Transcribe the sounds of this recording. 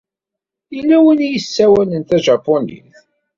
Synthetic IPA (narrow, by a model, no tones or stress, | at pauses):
ilːæwinjəsːæwælənt̪æʒɑpːonḭθ